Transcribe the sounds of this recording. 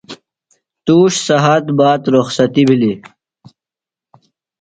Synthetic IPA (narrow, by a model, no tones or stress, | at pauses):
t̪uːʂsɐɦat̪baːt̪ɾoxsɐt̪ibʱili